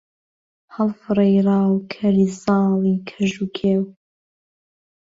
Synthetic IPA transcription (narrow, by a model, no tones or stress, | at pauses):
ħalfrajrawkʲʰɐrizaːlikʲʰaʒukʲʰew